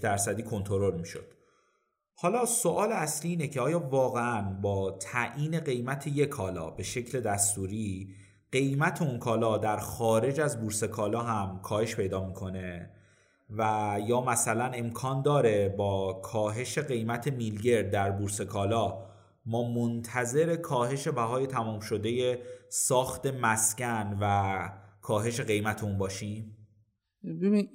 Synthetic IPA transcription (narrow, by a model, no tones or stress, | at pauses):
d̪æɾsæd̪iːkʰo̞nt̪ʰo̞ɾo̞lmiʃo̰d̪̥ | hɒːlɒːsoʔɒːleæsliːnecʰe̞ɒːjɒːvɒːɣeænbɒːt̪ʰæʔiːne̞ɣe̞jmæt̪ʰe̞je̞kʰɒːlɒ̰ːbe̞ʃe̞cʰle̞d̪æst̪uːɾiː | ɢe̞jmæt̪ʰe̞unkʰɒːlɒːd̪æɾxɒːɾe̞d͡ʒæzbuɾse̞kʰɒːlɒːɦæmkʰɒːhe̞ʃpʰe̞jd̪ɒːmiːkʰo̞ne̞ | væjɒːmæsælæne̞mkʰɒːnd̪ɒːɾe̞bɒːkʰɒːɦe̞ʃe̞ɣe̞jmæt̪ʰe̞milɟe̞ɾd̪̚d̪æɾbuːɾse̞kʰɒːlɒː | mɒːmont̪ʰæze̞ɾe̞kʰɒːheʃe̞bæɦɒːje̞t̪ʰæmuːmʃo̞d̪e̞je̞sɒːxt̪e̞mæscænvækʰɒːɦe̞ʃe̞ɣe̞jmæt̪ʰeunbɒːʃiːm | bebi